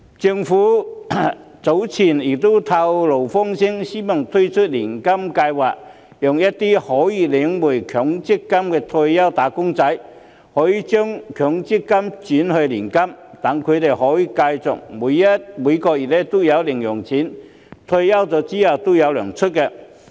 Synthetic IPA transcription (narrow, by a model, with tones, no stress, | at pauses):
t͡sɪ˧ŋfuː˨˥ | t͡so˨˥wt͡sʰiː˨˩njɪ˨˩k̚t̪o˥wt̪ʰa˧wlo˨˩wfɔ˥ŋsɪ˥ŋsiː˥mɐ˨˩ŋt̪ʰɵ˥ɥt͡ʃʰɵ˥t̚liː˨˩nkɐ˥mkaː˧jwaː˨k̚ | jʊ˨ŋjɐ˥t̚t̪ːiː˥hɔː˨˥jiː˧lɪ˨˥ŋmuː˨˩jkʰœː˨˥ŋt͡sɪ˥kːɐ˥mkɛː˧t̪ʰo˧jɐ˥wt̪aː˨˥kʊ˥ŋt͡sɐ˨˥j | hɔː˨˥jiː˨˧t͡ʃœː˥ŋkʰœː˨˥ŋt͡sɪ˥kːɐ˥mt͡syː˨˥nhɵ˧liː˨˩nkɐ˥mt̪ɐ˨˥ŋkʰɵ˨˧ɥt̪e˨jhɔː˨˥jiː˧kaː˧jt͡sʊ̰˨k̚muː˨˧jːɐ˥t̚muː˨˧jkɔː˧k̚ji˨˩tlɛ˥t̪o˥wjɐ˨˧wlɪ˨˩ŋjʊ˨˩ŋt͡sʰiː˨˥n | t̪ʰo˧jɐ˥wt͡sɔː˨˧t͡siː˥jɐ˨˩wt̪o˥wjɐ˨˧wlœː˨˩ŋt͡ʃʰɵ˥t̚kɛ˧